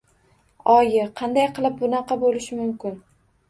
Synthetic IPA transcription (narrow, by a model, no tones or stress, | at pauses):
ɒjɪqʰɑnd̪ajqʰɨlˠɪp̚bʊnɑqɑbolɪʃɪmʊmkʲɪn